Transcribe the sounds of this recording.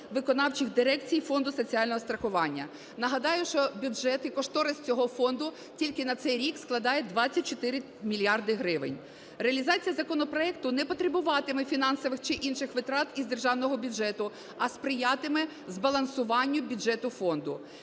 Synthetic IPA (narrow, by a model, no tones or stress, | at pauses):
ʋɪkɔnɑwt͡ʃɪxd̪ɪɾɛk̚t͡sʲijfɔnd̪ʊsɔt͡sʲiɑlʲnɔɦɔst̪ɾɐxʊʋɑnʲːɐ̰ | nɐɦɐd̪ɑjʊʃt͡ʃɔbʲʊʒɛt̪ɪkɔʃt̪ɔɾɪsʲt͡sʲɔɦɔfɔnd̪ʊ | tʲilʲkɪnɐt̪sɛjɾʲiksklˠɐd̪ɑjɛd̪ʋɑt͡sʲːɐt̚ʲt͡ʃɔt̪ɪɾɪ | mʲilʲjɑrd̪ɪɦɾɪʋɪ̰nʲ | reɐlʲizɑt͡sʲijɐzɐkɔnɔpɾɔɛk̚t̪ʊnɛpɔt̪ɾebʊʋɑt̪ɪmɛfʲinɑnsɔʋɪxt͡ʃɪʔinʃɪxʋɪt̪ɾɑt̪izd̪erʒɑwnɔɦɔbʲʊd͡ʒɛt̪ʊ | ɐspɾɪjɑt̪ɪmɛ | zbɐlˠɐnsʊʋɑnʲːʊbʲʊd͡ʒɛt̪ʊfɔnd̪ʊ